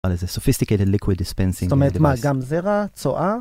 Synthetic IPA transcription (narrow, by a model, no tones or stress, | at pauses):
alɪzəsɔfɪst̪ɪkeɪtədlɪkʰwɪdɪspɛ̃nsɪ̃ŋɔmhetmaɡamzɛʁat͡soʔa